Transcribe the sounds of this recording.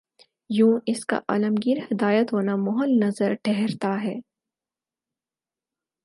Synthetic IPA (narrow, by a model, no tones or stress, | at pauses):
jũːɪska̰ʔa̰ːləmɡiːɾhɪd̪aːjət̪ɦoːnamʊɦəlnɐzəɾʈʰɛɦɛɾt̪aɦɛː